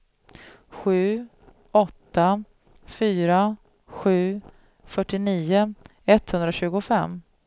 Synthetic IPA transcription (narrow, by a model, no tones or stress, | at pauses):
ɧʉ̟ː | ɔt̪ːa | fyːɾa | ɧʉ̟ː | fœʈːɪniːʊ | ɛt̪ːhɵnd̪ɾaɕʉ̟ːɡʊfɛmː